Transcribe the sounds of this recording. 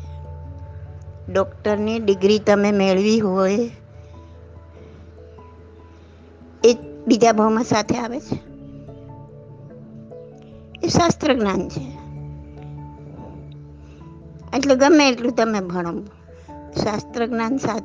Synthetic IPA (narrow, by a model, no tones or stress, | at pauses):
ɖɔkʈəɾniɖɪɡɾit̪əmemeɭʋiɦoj | ebid͡ʒ̪ʱabʱəwmãsat̪ʰeaʋet͡ʃʰe | eʃast̪ɾəɡnant͡ʃʰe | eʈleɡəmeːʈlũt̪əmebʱəɽ̃om | ʃast̪ɾəɡnansat̪